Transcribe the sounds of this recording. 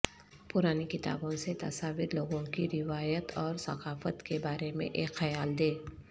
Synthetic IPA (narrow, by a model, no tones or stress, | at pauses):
pʊɾaːnikɪt̪a̰ːbõset̪ɐ̰saːʋɪɾloːɡõkiɾɪʋaːjət̪ʰɔːɾsɐ̰qaːfət̪kebaːɾemḛ̃ʔeːkxɐjaːld̪eː